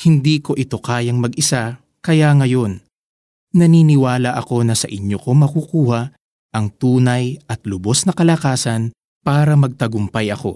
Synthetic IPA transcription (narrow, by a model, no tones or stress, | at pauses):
hɪnd̪iːko̞ʔɪt̪o̞kaːjɐŋmɐɡɪsa | kɐjaŋɐjo̞n | nɐniːnɪwaːlɐʔɐko̞nɐsɐ̰ʔɪɲjoko̞mɐkukuːhɐ | ʔɐŋt̪uːnɐjɐt̪lʊbo̞snɐkɐlɐkaːsɐn | paːɾɐmɐɡ̚t̪ɐɡʊmpɐjɐko̞̰